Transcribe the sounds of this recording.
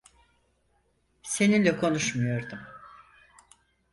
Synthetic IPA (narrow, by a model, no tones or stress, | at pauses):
se̞nilʲɛkʰo̞nuʃmujo̞ɾd̪um